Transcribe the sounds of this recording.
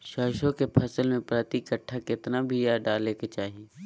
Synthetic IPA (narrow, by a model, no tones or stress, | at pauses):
ʃaːʃõkepʰɐsəlmẽpɾat̪ikəʈʰːakɪt̪nabʱijaɖaːleket͡ʃaːɦie